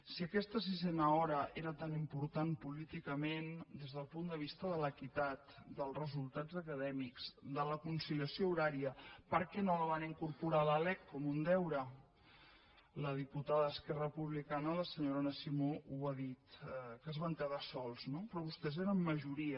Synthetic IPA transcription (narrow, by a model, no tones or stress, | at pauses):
siəkɛst̪əs̬izɛnəɔɾəʔeɾət̪animpuɾt̪anpulit̪ikəmend̪ezðəlˠpund̪əβ̞ist̪əðələkit̪at̪d̪əlˠrəzulˠt̪ad͡zzəkəðɛmikz̥d̪ələkunsiliəsiouɾaɾiəpəɾkɛnoləβ̞aniŋkuɾpuɾaləlɛkkɔmund̪ɛwɾə | ləðiput̪aðəəskɛrəpuβlikanələsəɲoɾonəsimouaðit̪kəzβant̪eðasɔlˠznopɾɔβust̪ɛzeɾəmːəʒuɾiə